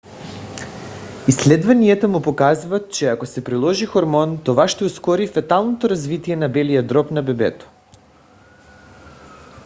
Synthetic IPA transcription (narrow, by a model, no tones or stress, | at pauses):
islɛd̪vaniɛt̪omupokazvat̪̚t͡ʃɛakosɛpɾilˠɔʒixoɾmɔnt̪ovaʃt̪ɛuskɔɾifat̪alˠnot̪oɾazvit̪ijɛnabɛlijad̪ɾɔpnabɛbɛ̰t̪o̥